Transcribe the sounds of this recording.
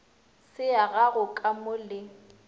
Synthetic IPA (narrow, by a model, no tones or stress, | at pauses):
sɪaɣaɣʊkʼamʊlɪ